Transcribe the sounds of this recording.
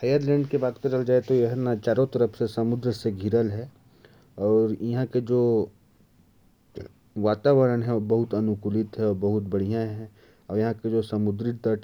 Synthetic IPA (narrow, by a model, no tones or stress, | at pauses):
hɐjəɾlɛ̃ːɳɖkebaːd̪̚kət͡ʃɐld͡ʒaːet̪ojɐɦəɾnat͡ʃaːɾot̪əɾəpʰsesɐmʊd̪ɾseɡʱiɾəlɦɛ | ɔːɾjɐɦãked͡ʒoː | ʋaːt̪aːʋəɾənɦɛ̃bɐɦʊt̪ɐnʊkulɪt̪ɦɛɔːɾbɐɦʊt̪̚bɐɽ̤ijãɦɛ̃ | ɔːɾjɐɦãked͡ʒoːsɐmʊd̪ɾɪt̪əʈ